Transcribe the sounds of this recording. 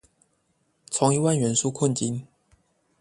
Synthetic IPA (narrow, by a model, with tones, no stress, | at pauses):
t͡sʰʊ˧˦ŋi˧wa˥˨nɥɛ˨˧˥nʂu˦kʰə˥˨nt͡ɕi˦˥n